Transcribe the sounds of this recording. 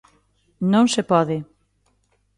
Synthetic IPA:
nõŋsepɔðɪ

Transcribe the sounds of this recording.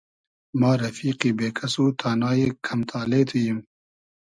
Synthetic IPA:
maːɾɐfiːqiːbeːkʰɐsuːt̪ʰaːnaːjeːkʰɐmt̪ʰaːleːt̪ʰujim

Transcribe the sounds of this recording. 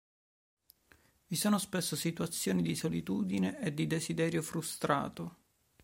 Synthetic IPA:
visoːnospesːosit̪uat̪sːjoːnid̪isolit̪uːd̪ineʔed̪ːid̪ezid̪ɛːɾjofɾust̪ɾa̰ːt̪o

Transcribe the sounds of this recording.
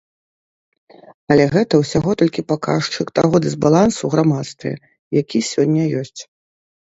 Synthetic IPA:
ɐlʲɛɣɛt̪ɐwsʲaɣɔt̪ɔlʲkʲipaka̰ʂt͡ʂɨkt̪aɣɔd̪ɨzbalˠansuɣɾamat̪st̪vʲɛ̰ | jakʲisʲɔnʲːɐjɔsʲt͡sʲ

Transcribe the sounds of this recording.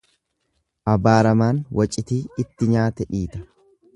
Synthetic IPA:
ʔɐbaːɾɐmaːnwʔɐt͡ʃʼɪt̪iːɪt̪ːɪɲaːt̪ɛᶑiːt̪ɐ

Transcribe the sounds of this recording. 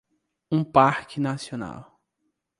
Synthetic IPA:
ũpaɾkɪnasiona̰w

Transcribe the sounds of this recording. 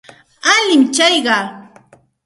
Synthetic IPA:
alɪmt͡ʃajɢɑː

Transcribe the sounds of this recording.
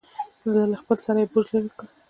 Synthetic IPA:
zalaxpəlsaɾajebuʒlaɾikə

